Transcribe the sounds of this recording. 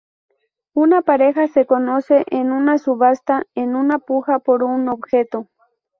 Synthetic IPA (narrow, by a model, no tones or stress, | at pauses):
unapaɾexasekonoseʔenunasuβast̪aenunapuxapoɾunobxet̪o